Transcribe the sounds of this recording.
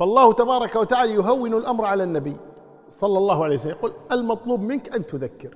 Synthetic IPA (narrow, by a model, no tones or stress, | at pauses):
fɑlˤːɑːht̪abɑːɾˤɑkawat̪aʕaːlajʊɦawːɪnalʔamɾˤʕalanːabiː | sˤɑlːɑlˤːɑːhʊʕalejwsalːmjaquːlalmɑt̪ˤluːbmɪnkʔant̪ʊðakːɪɾ